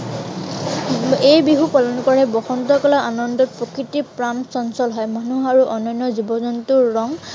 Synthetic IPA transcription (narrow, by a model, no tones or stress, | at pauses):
ejbiɦupalɔnkɔɹɛbɔxɔnt̪ɔkɔlaʔanɔndɔt̚pɹɔkɹitipɹamsɔnsɔlɦɔjmanuaɹuʔɔnɔjnːɔzibɔzɔntuɹːɔŋ